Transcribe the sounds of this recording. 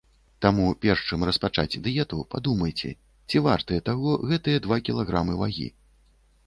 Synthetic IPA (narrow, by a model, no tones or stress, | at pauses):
t̪amupʲɛrʂt͡ʂɨmrɐspat͡ʂa̰d͡zʲd̪ɨjɛt̪upad̪umɐjt͡sʲɛ̰ | t͡sʲivart̪ɐjɛt̪aɣɔɣɛt̪ɨjɐd̪vakʲilˠaɣɾamɨvaɣʲḭ